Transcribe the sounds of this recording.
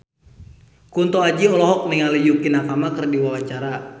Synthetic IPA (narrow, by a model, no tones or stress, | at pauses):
kunt̪ɔad͡ʒiɔlɔɦɔk̚niŋalijukinakamakərdiwawat͡ʃaɾa